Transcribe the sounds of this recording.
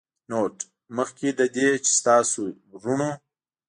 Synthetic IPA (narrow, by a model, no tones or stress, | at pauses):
noːʈ | məxked̪əd̪et͡ʃe̥st̪ɑːsu | ʐuɳo